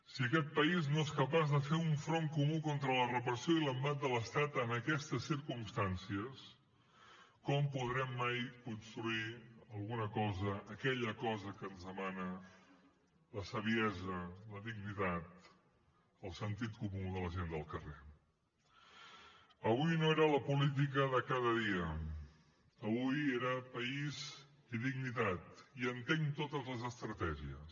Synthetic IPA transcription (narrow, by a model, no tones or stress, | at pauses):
siəkɛt̪̚pəiznoeskəpazðəfeuɱfɾoŋkumukont̪ɾələrəpɾəsioiləmbat̪̚d̪ələst̪at̪ənəkɛst̪əsːiɾkumst̪ansiəs | kɔmpuðɾɛmːajkunst̪ɾuiəlˠɣunəkɔzəʔːkɛʎəkɔzəkənzðəmanə | ləsəβiɛzələðiɡnit̪at̪̚ | əlˠsənt̪it̪kumuðələʒend̪əlˠkəre | əβujnoeɾələpulit̪̬ikəðəkaðəðiə | əβujeɾəpəiz | iðiɡnit̪at̪iənt̪eŋt̪ot̪əzləzəst̪ɾət̪ɛʒiəs